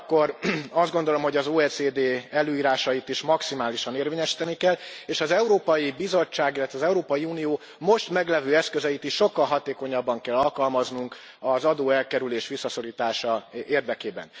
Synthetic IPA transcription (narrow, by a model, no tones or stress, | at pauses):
kːo̞ɾɒzd̪ɡo̞nd̪o̞lo̞mho̞ɟɒzoːɛːt͡sseːd̪eːɛløːiːɾaːʃɒjit̪iʃmɒksimaːliʃɒneːrveːɲɛʃi̥ːt̪ɛnikɛlːeːʃɒzɛuɾoːpɒjibizo̞t͡ʃːaːɡilːɛt̪ʋɛɒːzɛuɾoːpɒjiuːnijoː | mo̞ʃt̪mɛɡlɛvøːɛskøzɛit̪iʃʃo̞kːɒlɦɒt̪eːko̞ɲɒbːɒŋkɛlːɒlkɒlmɒznuŋk | ɒzɒd̪oːɛlkɛɾyleːʃʋisːɒso̞ɾiːt̪aːʃɒeːrd̪ɛkeːbɛ̰n